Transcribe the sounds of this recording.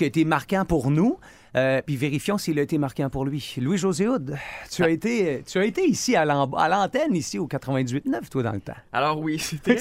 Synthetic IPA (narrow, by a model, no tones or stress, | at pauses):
aet̪emaʁkãpuʁnu | øpiveʁifjɔ̃siilaet̪emaʁkʲɑ̃pʊʁlɥilwiʒozeʊd̪t̪yaet̪et̪yaet̪eisialɑ̃ba̰lɑ̃t̪ɛnisiokat̪χəvɛ̃d̪izɥɪt̪nœft̪wad̪ɑ̰̃lət̪ã̰a̰lɔːʁwiset̪ɛ